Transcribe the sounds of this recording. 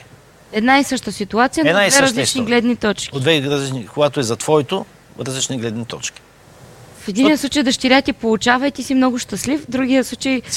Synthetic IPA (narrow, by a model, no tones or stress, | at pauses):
ɛd̪naisɤʃt̪əsit̪uat̪sijənavɛɾɐzlit͡ʃniɡlɛd̪nit̪ɔt͡ʃkʲd̪vɛɾɐzlit͡ʃnikoɡat̪oɛzɐt̪vɔit̪o | ɾɐzlit͡ʃniɡlɛd̪nit̪ɔ̰t͡ʃkʲi̥ | fɛd̪ʲinɛjslˠut͡ʃəjd̪əʃt̪iɾʲat̪ʲipolˠʊt͡ʃavɐjt̪isimnɔɡʊʃt̪əslifd̪ɾuɡ̟ijəslˠut͡ʃəj